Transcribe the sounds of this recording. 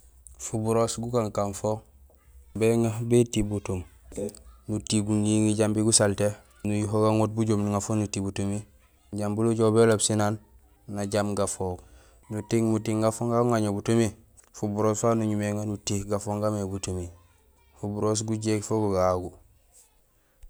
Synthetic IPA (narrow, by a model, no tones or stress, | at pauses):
fubuɾosɡukaŋkanfo | beŋabetibutum | nutiɡuniŋiɟambiɡusalte | nujuɦoɡaŋot̚buɟomnuŋafonutibutumi | ɟambuluɟobelobsinanː | aɟamɡafoɡ | nutiŋmutiŋɡafoŋɡaɡuŋaɲobutumi | fubuɾoːsfanuɲumeŋanutihɡafoŋɡamebutumi | fubuɾos̬ɡuɟekfoɡuɡaɡu